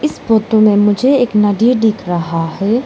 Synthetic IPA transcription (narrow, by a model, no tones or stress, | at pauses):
ɪsboːt̪õmẽmʊd͡ʒʱeeːknɐɖiɖiːkɾɐɦaɦɛː